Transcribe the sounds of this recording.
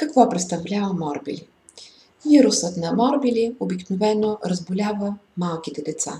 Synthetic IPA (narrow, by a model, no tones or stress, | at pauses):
kɐkvɔpɾɛt̪st̪ɐvlʲavəmɔɾbḭlʲi | jiɾʊsət̪nɐmɔɾbilʲiobiknovɛnoɾəzbʊlʲavəmalˠkit̪ɛd̪ɛt̪sa̰